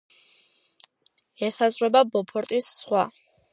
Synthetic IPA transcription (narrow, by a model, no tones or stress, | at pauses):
ɛsazɾwɛbabɔpʰɔɾt̪ʼisːχwa